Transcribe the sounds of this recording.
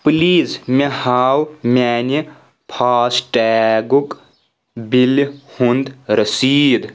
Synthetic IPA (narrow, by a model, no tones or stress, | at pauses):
pliːzmehaːwmʲɛːni | pʰaːsʈɛːɡuk | bilhund̪ɾəsiːd̪